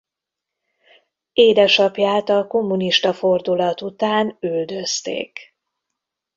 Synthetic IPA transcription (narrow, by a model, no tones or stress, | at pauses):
eːd̪ɛʃɒpjaːt̪ɒko̞mːuniʃt̪ɒfo̞rd̪ulɒt̪ut̪aːnyld̪ø̞st̪ḛːk